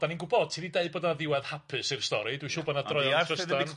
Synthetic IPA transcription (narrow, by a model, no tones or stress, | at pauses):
d̥aninɡʊbɔd̥̚tʰiðideɨboːdnaðɪwɛðhapʰɨsɪrstɔɾidwiʃuːbɔːdnḁrɔaəssdan